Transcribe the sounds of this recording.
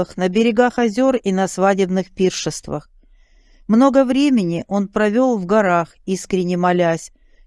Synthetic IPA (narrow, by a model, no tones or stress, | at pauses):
ɨxnəbʲɪɾʲɪɡaxɐzʲo̞rinɐsvadʲɪbnɨxpʲirʂɨst̪və̰x | mno̞ɡəvɾʲemʲɪnʲɪʔo̞npɾɐvʲo̞lˠvɡɐɾaxiskɾʲɪnʲɪmɐlʲæsʲ